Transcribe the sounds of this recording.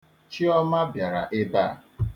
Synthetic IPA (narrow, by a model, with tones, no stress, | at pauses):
t͡ʃi˦ɔ˦ma˦bja˨ɾa̰˨ʔɪ˦ba˦˨